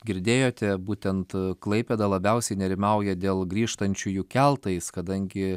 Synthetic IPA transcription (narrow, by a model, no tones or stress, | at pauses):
ɡʲɪɾʲd̪ʲeːjoːt̪ʲɛbuːt̪ʲɛnt̪klˠɐɪpʲɛd̪ɐlˠɐbʲɛʊsʲɛɪnʲɛɾʲɪmɐʊjɛd̪ʲeːlˠɡɾʲiːʃt̪ɐnʲt͡ʃʲʊjuːkʲælˠt̪ɐɪskɐd̪ɐŋʲɡʲɪ